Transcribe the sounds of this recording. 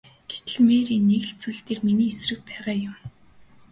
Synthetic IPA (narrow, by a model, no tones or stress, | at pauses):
ɡ̥et̪ɘ̆ɮmeːɾiːnːeɣɮt͡suɮt̪eːrminiːesrɘ̆k̚pæːʁaːjʊm